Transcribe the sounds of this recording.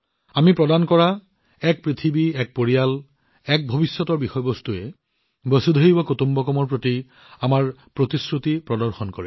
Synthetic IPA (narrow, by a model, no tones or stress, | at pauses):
amipɹɔdankɔɹa | ɛk̚pɹit̪ʰibiɛk̚poɹijal | ɛk̚bʱobisːɔtɔɹbixɔjɔbɔst̪uɛ | bɔsud̪ʱoɦibɔkotumbɔkɔmɔɹpɹoti | amaɹpɹot̪iskɹut̪ipɹɔdɔɹxɔnkɔɹɛ